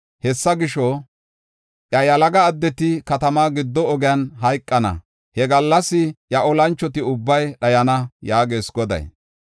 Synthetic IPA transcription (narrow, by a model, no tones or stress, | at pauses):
hɛsːɐɡɪʃɔ | ʔjɐjɐlɐɡɐːd̪ːɛt̪ɪkɐt̪ɐmaːɡɪd̪ːɔːɡɪjanɦɐjkʼːɐnɐ̰ | hɛɡɐlːɐsːɪjɐʔɔlɐnt͡ʃːɔt̪ɪʊbːɐjɗɐjɐnɐjaːɡeːsɡɔd̪ɐ̰j